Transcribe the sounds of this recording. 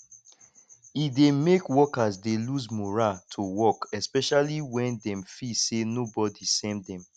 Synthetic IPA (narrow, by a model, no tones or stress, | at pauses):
idemekwɔkazdeluzmuɹatʰuwɔkɛspɛʃaliwɛ̃ndɛ̃mfisenobɔdisɛ̃mdɛ̃m